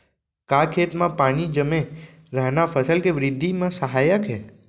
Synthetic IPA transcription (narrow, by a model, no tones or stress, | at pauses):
kakʰet̪mãpaɽ̃id͡ʒəmẽ | ɾəɦnafəsəlkeʋɾɪd̪ʱːimãsəɦajəkɦe